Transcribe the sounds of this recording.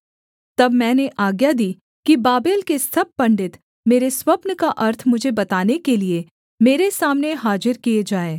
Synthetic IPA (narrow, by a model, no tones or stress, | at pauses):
t̪ɐbmɛ̃ːneʔaːɡjad̪iː | kibaːbeːlkesɐb̚pɐ̃ɳɖɪt̪ | meːɾeswɐpnəkaʔɐɾt̪ʰmʊd͡ʒʱebɐt̪aːnekelie | meːɾesaːmneɦaːd͡ʒɪɾkijed͡ʒaːeː